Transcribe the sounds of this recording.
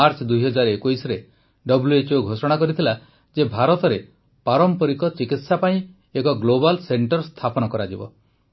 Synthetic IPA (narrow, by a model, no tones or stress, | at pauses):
aɾt͡ʃɔd̪ujɦɔd͡ʒaɾɔekujsɔɾe | ɖɔbuluet͡ʃoɡʱosɔɽ̃akɔɾit̪ʰila | d͡ʒebʱaɾɔt̪ɔɾe | paɾɔmpɔɾikɔt͡ʃikit̪sapaĩ | ekɔɡlobalseɳʈɔɾst̪ʰapɔnɔkɔɾad͡ʒibɔ̰